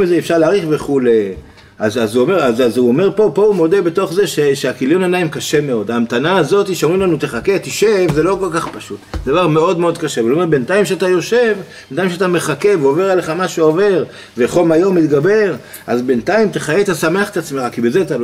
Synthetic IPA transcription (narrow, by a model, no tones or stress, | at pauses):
mizeːfʃaʁleaʁiχveχule | azazuome̞ʁazazuome̞ʁpo̞po̞umo̞d̪e̞be̞t̪o̞χze̞ʃeʃeakiljonanaimkaʃe̞me̞o̞d̪amt̪anaːzo̞t̪iʃeomʁimlanut̪eχaket̪iʃevzelo̞ko̞lkaχpaʃut̪zed̪avaʁme̞o̞dmeo̞d̪kaʃeuome̞be̞nt̪aimʃeat̪ajo̞ʃe̞v | b̥ent̪aimʃeat̪ame̞χake̞veoveʁaleχamaʃuove̞ʁ | veχolmajo̞mːit̪ɡabe̞ʁ | azbe̞nt̪aimteχajeet̪asame̞aχe̥t̪at͡smeχakibe̞zeat̪alo